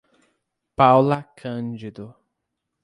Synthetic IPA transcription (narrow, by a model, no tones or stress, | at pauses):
pawlɐkʰɐ̃nd͡ʒid̪ʊ